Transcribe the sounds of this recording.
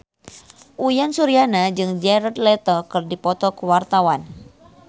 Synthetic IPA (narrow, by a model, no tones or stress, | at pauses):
ʔujansuɾianad͡ʒɨŋd͡ʒɛɾad̪lɛt̪ɔkɨrdipɔt̪ɔkuwart̪awan